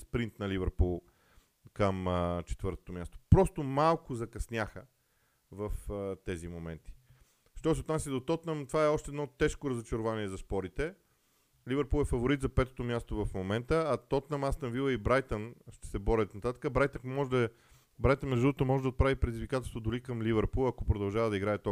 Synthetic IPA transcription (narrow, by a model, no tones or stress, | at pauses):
spɾint̪nɐlivɛɾpulˠ | kəmt͡ʃɛ̥t̪vɤɾt̪o̥t̪omʲjast̪o̥pɾɔst̪omalˠkʊzɐkɐsnʲjaxə | vəft̪ɛzimomɛ̰nt̪i̥ | ʃt̪ɔs̬ɛot̪nas̬ʲjəd̪ot̪ɔt̪nəmt̪ovaɛɔʃt̪ɛd̪nɔt̪ɛʃkoɾɐzot͡ʃɐɾovaniɛzɐspɔɾit̪ɛ | livɛɾpulˠɛfɐvoɾit̪zɐpɛt̪o̥t̪omʲjast̪ovɐfmomɛnt̪əɐt̪ɔt̪nɐmasnɐvilˠəibɾajt̪ənʃt̪ɛ̥sɛbɔɾɛt̪nɐt̪at̪ə̥kəbɾajt̪əmɔʒd̪ə | bɾajt̪ənɾɛzət̪ot̪omɔʒɛd̪ɐot̪̚pɾavipɾɛd̪izvikat̪ɛlˠst̪vod̪ʊlikɐmlivɛɾpulˠɐkopɾod̪ɐlˠʒavəd̪ɐiɡɾaɛt̪ɔ